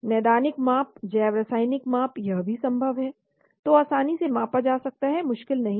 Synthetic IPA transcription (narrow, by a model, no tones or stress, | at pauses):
nɛːd̪aːnɪkmãːp̚d͡ʒɛːʋɾɐsaːɪnɪkmãːpjɐɦbʱisɐ̃mbʱəʋɦɛː | t̪oaːsaːnisemãːpad͡ʒaːsɐk̚t̪aɦɛmʊʃkɪlnɐɦĩ